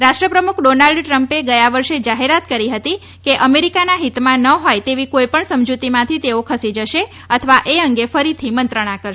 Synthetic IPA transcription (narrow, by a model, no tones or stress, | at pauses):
ɾaʃʈɾəpɾəmukʰɖonalɖʈɾəmpeɡəjaʋəɾʃed͡ʒaɦeɾat̪kəɾiɦət̪i | keʔəmeɾikanaɦit̪mãnəɦojt̪eʋikojpəɳsəmd͡ʒut̪imãt̪ʰit̪eokʰəsid͡ʒəʃe | ət̪ʰəʋaʔeəŋɡefəɾit̪ʰimənt̪ɾəɽ̃akəɾ